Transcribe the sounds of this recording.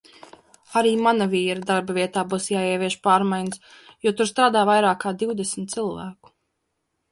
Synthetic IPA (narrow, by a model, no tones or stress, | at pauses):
aɾiːmanaviːɾad̪aɾbaviɛt̪aːbuːsjaːiɛvʲiɛʃpaːɾmajnəs | jɔt̪uɾst̪ɾaːd̪aːvajɾaːkʰːaːd̪iwd̪ɛsmt̪t̪silˠvæ̰ːku̥